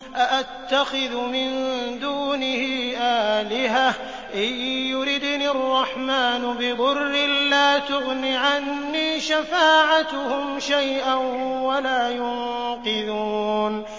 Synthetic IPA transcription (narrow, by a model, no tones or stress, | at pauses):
ʔaʔat̪ːaxɪðmɪnd̪uːnɪhiːʔaːlɪha | ʔɪjːʊɾɪd̪niɑrˤːɑħmaːnʊbɪbʊrːɪllaːt̪ʊɣniːʕanːiːʃafaːʕat̪ʊhʊmʃajʔanwalaːjʊn | qɨðuːn